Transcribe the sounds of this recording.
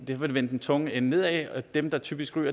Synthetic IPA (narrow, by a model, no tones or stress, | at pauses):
d̥ehʋelʋen̰d̥n̩t͡sʰɔ̽ŋəenne̝ð̞̰ˠɛd̥emd̥ɑ̈t͡sʰyːb̥isɡ̥ʁyːɐ